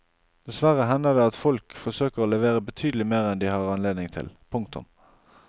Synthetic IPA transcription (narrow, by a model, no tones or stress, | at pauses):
d̪̥ɛsʋæʁəɦɛnd̪əd̪ɛɑt̪fɔlkfɔʁsøːkəʁoːlɛʋeːʁəbət̪ʰyːd̪əlɪmeːʁɛnd̪ɪhɑːʁɑnleːd̪nɪŋt̪ʰɪ̰lpʰʊŋk̚t̪ʊ̰m